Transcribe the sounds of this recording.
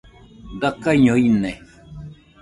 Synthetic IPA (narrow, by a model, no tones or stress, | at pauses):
dakaɲõinɛ